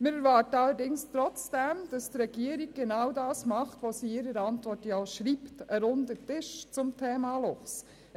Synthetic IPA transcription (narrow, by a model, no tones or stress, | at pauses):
mɪɾɛɾʋɑːɾtəɑlːəɾdɪŋst̪ɾɔt͡sd̥ɛmd̥ɑst̪ɾɛɡ̥iəɾiɡ̚ɡ̥enɑwdɑːsmɑχtʋosiɪɾəɾɑntʋɔtjɑɔʃɾiːptəɾʊndətɪʃt͡sʊmtʰeːmɑlɔχs